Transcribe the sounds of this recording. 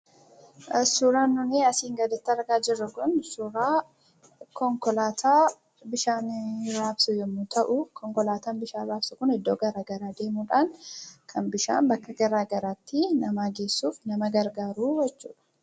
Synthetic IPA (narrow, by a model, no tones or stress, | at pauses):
suɾaːnːʊniɐsiːŋɡɐd̪ɐt̪ːɐɾɡaːd͡ʒɪrːɐkʊnsuːɾaː | kɔŋkɔlaːt̪ʰaː | bɪʃaːnɾaːbsʊjɛmːʊt̪ʰɐʔʊkɔŋkɔlaːt̪aːnbɪʃaːɾaːbsʊkʊnɪd̪ːoːɡɐɾaːɡɐɾaːd̪e̞ːmuːᶑaːŋkʰɐnbɪʃa̰ːnbɐkːɐɡɐɾaːɡɐɾaːt̪ːɪnɐmaːɡe̞ːsːuːfnɐmɐɡɐɾɡaːɾuːjɛt͡ʃːṵːᶑɐ̥